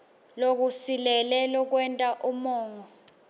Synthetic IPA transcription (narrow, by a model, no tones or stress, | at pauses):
lok̬usilɛlɛlɔk̬wɛntʼaʔumɔːŋɔ